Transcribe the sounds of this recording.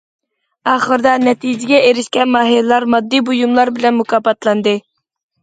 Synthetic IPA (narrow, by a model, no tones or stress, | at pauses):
ɑːχəɾd̪ɑnɛt̪ʰijd͡ʒɪɡʲɛʔeɾɪʃkʲɛnmɑːɦillˠɑɾmɑd̪ːibujumlˠɑɾbɪlɛnmukʰɑːpɑt̪lˠɑnd̪ɨ